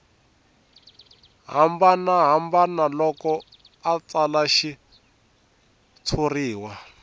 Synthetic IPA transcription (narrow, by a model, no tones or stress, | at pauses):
ɦambanaɦambanalɔkɔ | at͡salaʃi | t͡sʰuriːwa